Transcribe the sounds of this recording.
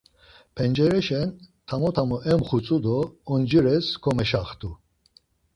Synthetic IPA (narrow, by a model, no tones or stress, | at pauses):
pʰɛnd͡ʒɛɾɛʃɛnt̪ʰamɔt̪ʰamɔʔɛmχut͡sʼud̪ɔːnd͡ʒəɾɛskʰɔmɛʃaχt̪ʰʼu